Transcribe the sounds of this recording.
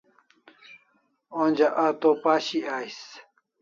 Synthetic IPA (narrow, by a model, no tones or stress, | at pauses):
onʲd͡ʑaʔaːt̪opaːɕiaːjs